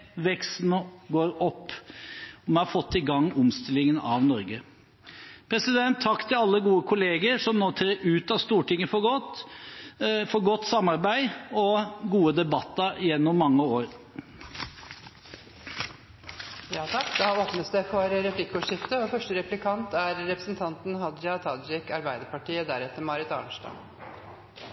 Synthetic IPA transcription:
ʋɛksn̩ɔɡoːɾɔpː | ɔmɛhɑɾfɔt̪ːɪɡɑŋːʊmst̪ɪlːɪŋənɑ̰ʋnɔɾɡə | pʰɾɛsɪd̪ɛnt̪ʰːɑkːt̪ʰɪlɑlːəɡuːəkʰʊleːɡəɾʂɔmnoːt̪ʰɾeːɾʉːt̪ɑʋst̪uːʈɪŋːəfɔɡɔt̪ | fɔɾɡɔt̪ːsɑmːɑɾbæɪɔɡuːəd̪ɛbɑt̪ːɑɪjɛnːɔmːɑŋːəoːɾ | jɑːt̪ʰɑkːd̪ɛhɑɔpnət̪sd̪ɛfɔɾɾɛplɪkːʊʂɪft̪əɔfœʂʈəɾɛplɪkʰɑnt̪æɾɾɛpɾəsn̩t̪ʰɑnt̪n̩ɦɑd̪d͡ʒɑt̪ʰɑd̪ɪkɑɾbæɪd̪əɾpɑʈiːəd̪æɾɛt̪ːəɾmɑɾɪt̪ɑ̰ːɳʂʈɑ̰

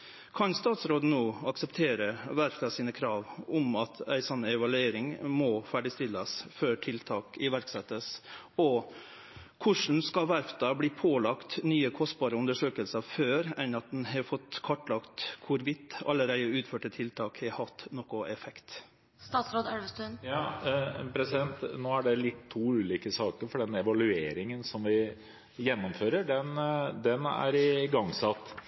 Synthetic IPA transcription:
kʰɑnst̪ɑːt̪sɾoːd̪n̩oːɑksɛpt̪ʰeːɾəʋæɾfd̪ɑsiːnəkʰɾɑːʋʊmɑt̪ʰæ̰ɪsɔnːəɛʋɑlʉeːɾɪŋmɔːfæːɖɪst̪ɪlːəsføːʈʰɪlt̪ʰɑːkɪʋæɾksɛt̪ːəs | ɔ | kʰʊʂɳ̩skɑʋæɾfd̪ɑbliːpʰoːlɑkt̪nyːəkʰɔst̪̚bɑːɾəʉnd̪əʂøːkəlsəføːɾɛnɑt̪̚d̪ɛnhɑfɔt̪ːkʰɔʈːlɑkt̪kʰʊɾʋɪt̪ːɑ̰lːəɾæɪəʉːt̪føːʈət̪ʰɪlt̪ʰɑːkhɛhɑft̪nɔkːʊɛfɛkt̪ | st̪ɑːt̪sɾoːd̪ɛlʋəst̪ʉnjɑːpʰɾɛsɪd̪ɛnt̪noːæɖɛlɪt̪ʰːuːʉːliːkəsɑːkəɾfɔɖɛnɛʋɑlʉeːɾɪŋənsɔmʋɪ | jɛnːɔmføːɾəɖɛnd̪ɛnæ̰ɾɪɡɑŋsɑt̪ː

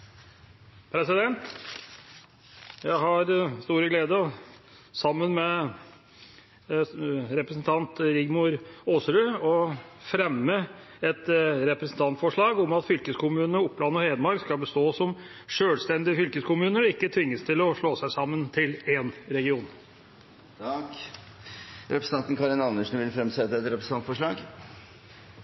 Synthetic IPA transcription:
pʰɾɛsɪd̪ɛnt̪ | jæɪhɑɾst̪uːɾəɡleːd̪ə | sɑmːənmɛ | ɾɛpɾəsn̩t̪ʰɑnt̪ɾɪɡmʊɾoːsɾʉɔfɾɛmːə | ɛt̪ɾɛpɾɛsn̩t̪ʰɑnt̪fɔʂɭɑːɡɔmɑt̪fʏlkəskʊmʉːnəʊpːlɑnːɔheːd̪əmɑɾkskɑlbəst̪oːsɔm | ʂøːlst̪ɛnd̪ɪəfʏlkəskʊmʉːnəɾɪkːət̪ʰʋɪŋːəst̪ʰɪlɔʂɭoːsæɪsɑmːənt̪ʰɪlɛnɾɛɡɪuːn | ɑk | ɾɛpɾəs̩n̩ʰɑnt̪ən̩kʰɑɾɪnɑnəʂn̩ʋɪlfɾɛmsɛt̪ːəɛt̪ɾɛpɾəsn̩ʰɑnt̪fɔʂɭɑːɡ

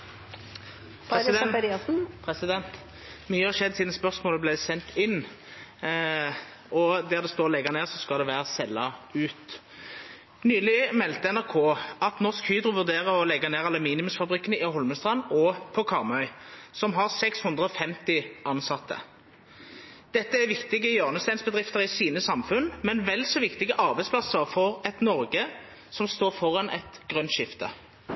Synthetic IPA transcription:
pd̪ | pʰɾɛsɪd̪ɛnt̪ | myːəhɑʃɛd̪ːsiːd̪n̩spœʁsmoːləblɛɪsɛnt̪ʰɪnː | ɔd̪æːʁd̪ɛst̪oːlɛɡɑneːʁsɔskɑld̪ɛʋæːʁəsɛlːɑʉːt̪ | nyːlɪmɛlt̪əɛnæʁkʰoːɑt̪nɔʁskhyːd̪ʁʊʋʉʁd̪eːʁəɔlɛɡɑneːʁɑlːəmiːnɪmʉmsfɑbʁɪkːənəɪɦɔlməst̪ʁɑnɔpʰɔkʰɑʁmœʏsɔmɦɑʁsɛkshʉnd̪ʁəɔfɛmt̪ɪʔɑnsɑt̪ʰːə̰ | d̪̥ɛt̪ːəæʋɪkt̪ɪɡəjøːʁnəst̪æɪnsbəd̪ʁɪft̪əʁɪsiːnəsɑmfʉnmɛnʋɛlːsɔʋɪkt̪ɪɡəʔɑʁbæɛɪspʰlɑsəʁfɔʁɛt̪nɔʁɡə | sɔmst̪oːʁfɔʁɑnʔɛ̰t̪ɡʁœnʃɪft̪ə̰

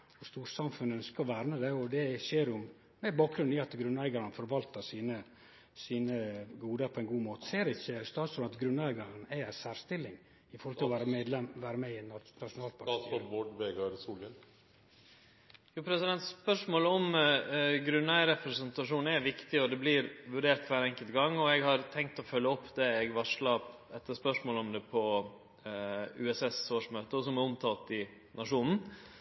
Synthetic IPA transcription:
ʋʊst̪uːɾsɑmfʉnœnskəɾɔʋæːɾnəd̪ɛɔd̪ɛʃeːɾʊm | d̪ɛɪbɑːk̚ɡɾʉnɪɑt̪ɡɾʉnæɪɡɑɾənəfɔɾʋɑlt̪əsiːnə | siːnəɡuːd̪əɾpʰɔɛnɡuːmoːt̪əseːɾɛɪçːəst̪ɑːsɾɔmɑt̪ɡɾʉnːæɪɡɑɾənæɪæsæːɾst̪ɪlːɪŋ | ɪfɔɾhɔlt̪ʰɪlɔʋæːɾəeːd̪lɛmʋæːɾəmɛɪnnɑʊnɑːlt̪̚pʰɑɾɔboːɖʋeːɡɑɾsuːlən | juːpʰɾɛsɪd̪ɛnt̪spœʂmoːlɔm | ɡɾʉnːæɪɾɛpɾɛsɛnt̪ɑʂuːnɛʋɪkt̪ɪɔd̪ɛblɪɾʋʉɖeːɾt̪̚kʰʋæːɾɛŋkəlt̪ɡɑŋːɔɛɡhɑɾt̪ʰɛŋkt̪ɔfœlːəɔpːd̪ɛɛɡʋɑʂɭɑpɛt̪ːəspœʂmoːlɔmd̪ɛpʰɔ | ʉ̰ɛsɛsoːʂmøːt̪əɔsɔmɛɾɔmt̪ʰɑːlt̪ɪ | nɑʂuːnn̩

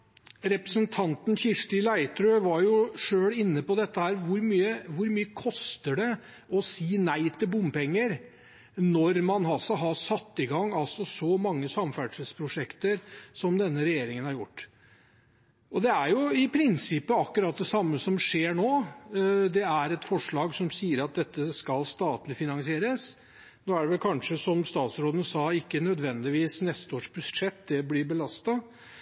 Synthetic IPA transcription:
ɾɛpɾəsənt̪ʰɑnt̪nçɪʂʈɪlæɪt̪ɾøʋɑɾjʊʂøːɽɪnːəpɔd̪ɛt̪ːəhæːɾʋʊɾmyːəʋʊɾmyːəkʰɔst̪əɖɛ | ɔsiːnæɪt̪ʰɪlbʊmːpɛŋːəɾ | nɔɾmɑnɦɑlsɔɦɑsɑt̪ːɪɡɑŋːɑlsɔsɔmɑŋːəsɑmfæɖʂəlspʰɾʊʂɛkt̪əɾsɔmd̪ɛnːəɾɛjeːɾɪŋənhæɾjʊʈː | ɔd̪ɛæɾjʊɪpʰɾɪnsɪpːəɑkːʉɾɑt̪̚d̪ɛsɑmːəsɔmʂeːɳoː | d̪ɛæɾɛt̪fɔʂɭɑːɡsɔmsiːəɾɑt̪̚d̪ɛt̪ːəskɑlst̪ɑːt̪lɪfɪnɑnsɪeːɾəs | noːæɖɛʋɛlkʰɑnʂəsɔmst̪ɑːt̪sɾoːd̪ənəsɑːɪkːənœd̪ʋɛnd̪ɪʋiːsnɛst̪əoːʂbʉʂɛt̪ːd̪ɛblɪbəlɑst̪ɑ

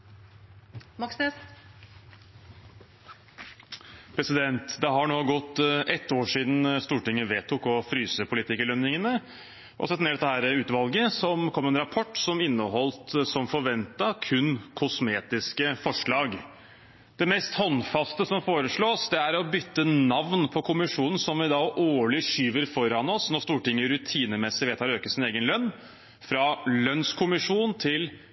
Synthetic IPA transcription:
mɑksnɛs | pʰɾɛsɪd̪ɛnt̪d̪ɛɦɑɳoːɡɔt̪ːʔɛt̪ːoːʂiːd̪n̩st̪uːʈɪŋːəʋeːt̪ʰʊkɔfɾyːsəpʰʊlɪt̪ʰɪkəlœnːɪŋənə | ʔɔ̰sɛt̪ːneːɖɛt̪ːəhæːɾəʉːt̪ʋɑlɡəsɔmkʰɔmːɛnɾɑpʰɔʈːsɔmɪnːəɦɔlt̪sɔmfɔɾʋɛnt̪ɑkʰʉnkʰʊsmeːt̪ɪskəfɔʂɭɑːɡ | d̪̥ɛmɛst̪hɔnːfɑst̪əsɔmfoːɾəʂɭoːsd̪ɛæɾɔbʏt̪ːənɑʋnpʰɔkʰʊmɪʂuːnən̩sɔmʋɪd̪ɑʔoːɭɪʂyːʋəɾfɔɾɑnɔsnɔɾst̪uːʈɪŋːəɾʉt̪ʰiːnəmɛsːɪʋeːt̪ʰɑːɾøːkəsɪneːɡənlœnː | fɾɑlœnskʰʊmɪʂuːnt̪ʰɪl

